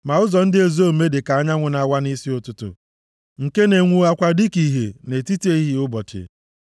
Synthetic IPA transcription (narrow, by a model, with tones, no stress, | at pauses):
ma˨ʊ˦zɔ˨n̩˦dɪ˦e˨zo˦˨me˦dɪ˨ka˨a˦ɲa˦ŋʷʊ˨na˨wa˦ni˦si˦ʊ˦tʊ˦tʊ̰˨ | ŋ̩˨ke˦ne˨ŋʷu˨˦a˦kʷa˦dɪ˦ki˨ɦḛ˨ne˨ti˦ti˦e˦i˦ɦi˦ʊ˦bɔ˨tḛ˨